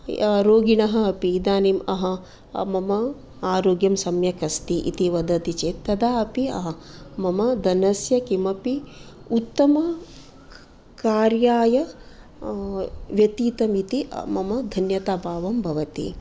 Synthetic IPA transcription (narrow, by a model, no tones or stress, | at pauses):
ɾoːɡiɳɐɦɐɐpiːd̪aːniːmɐɦɐ̆ | mɐmɐ | aːɾoːɡjɐmsɐmjɐkɐst̪iʔḭt̪iʋɐd̪ɐt̪it͡ʃeːɐd̪aːɐpiɐ̰ɦɐmɐmɐd̪ɐnɐsjɐkimɐpiut̪ːɐmɐ | kaːɾjaːjɐ | ʋjɐt̪iːt̪ɐmit̪ḭmɐmɐd̪ʱɐnjɐt̪aːbʱaːʋɐmbʱɐʋɐt̪ḭ